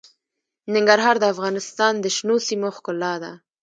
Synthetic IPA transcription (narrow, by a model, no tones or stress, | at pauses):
nɪŋɡaɾɦɑɾd̪əafɣɑnɪst̪ɑnd̪əʃnosimoxkʊlːɑd̪a̰